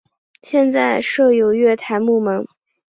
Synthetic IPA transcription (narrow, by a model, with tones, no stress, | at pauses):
ɕjɛ˥˧nt͡sa˥˧ɪʂɤ˥˩jo˨˩ʊɥɛ˥˩t̪ʰa˧˥ɪmu˥˩mə˧˥ŋ